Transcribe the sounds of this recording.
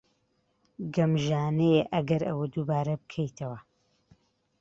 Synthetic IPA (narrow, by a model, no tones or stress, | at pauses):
ɡɐmʒaːnejeʔɐɡɐɾɐwɐd̪ubaːɾɐbɨkʰɐjt̪ʰɐwɐ